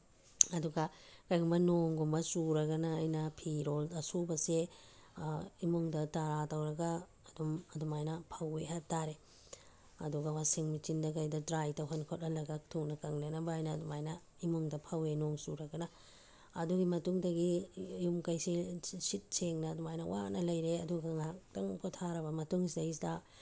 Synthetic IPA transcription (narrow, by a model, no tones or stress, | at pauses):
ɐduɡɐkɐjɡumbɐnoŋɡumbɐsuɾɐɡɐnaːjnɐpʰiɾolɐsubɐse | imoŋdɐtaɾatawɾɐɡaː | dɔmɐdɔmajnɐpʰɐweɦatːaɾe | ɐ̰duɡɐwasiŋmit͡ʃindɐkɐjdɐdɾajtɐɦonkʰot̚ːɐlɐɡak̚tʰuŋnɐkɐŋlenɐbɐajnɐdɔmajnɐ | imuŋdɐpʰɐwenoŋsuɾɐɡɐnɐː | duɡimɐtuŋdɐɡijumkɐjsisit̚seŋnɐːdɔmajnɐwa̰nɐlɐjɾeɐduɡɐŋak̚tɐŋpʰɔtʰaɾɐbɐmɐtuŋsidɐjs̬da